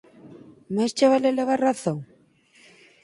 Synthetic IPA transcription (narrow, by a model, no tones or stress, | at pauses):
mast͡ʃaβaleleβaraθoŋ